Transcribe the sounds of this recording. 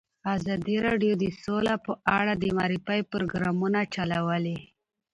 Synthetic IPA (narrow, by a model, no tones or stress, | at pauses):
azɑd̪iɾɑɖjod̪əsolapəʔaɽad̪əmɑɾifajpɾoɡɾamunat͡ʃalawəli